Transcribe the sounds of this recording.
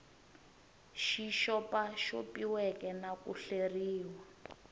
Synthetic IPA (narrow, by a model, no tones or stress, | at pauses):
ʃiʃɔpaʃopiwɛkɛnakuɬeriːwa